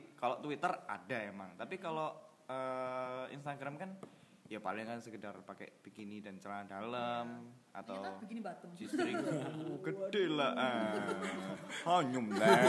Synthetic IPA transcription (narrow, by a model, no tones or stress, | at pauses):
kalot̪uwit̪əra̰daemaŋt̪apikalo | əḭnst̪aɡɾamkan | japa̰lɪŋkansəkədarpakɛ̰pikinidant͡ʃəlanadaləm | a̰t̪awat̪əsisɾɪɡəd̥elaə | haɲʊmlɛ